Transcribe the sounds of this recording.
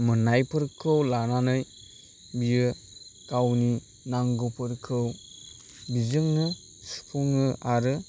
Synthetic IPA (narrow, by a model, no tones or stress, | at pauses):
mɯnajpʰɯɾkʰɯwlananɯj | bijɯ | kawni | naŋɡɯpʰɯɾkʰɯw | bizɯŋnɯ | su̥pʰuŋɯaɾɯ